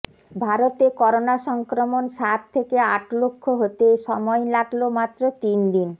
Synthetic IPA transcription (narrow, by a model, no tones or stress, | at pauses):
bʱaɾot̪ekɔɾonaʃɔŋkɾomonʃat̪t̪ʰːekeaʈlokʰːoɦot̪eʃɔmɔelaʈlomat̪ːɾot̪ind̪in